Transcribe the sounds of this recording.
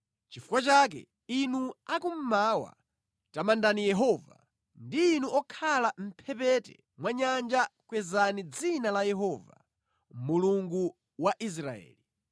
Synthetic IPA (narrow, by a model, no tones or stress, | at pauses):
t͡ʃifu̥kwat͡ʃaːk̬ɛ̰ | inuakum̩maːwa̰ | tamandanijɛɦɔːva̰ | ndiːnuɔkʰalam̩pʰɛpɛtɛ̰ | mwaɲand͡ʒakwɛzanid͡zinalajɛɦɔva̰ | muluŋɡu | waʔis̬ɾaɛ̰ːli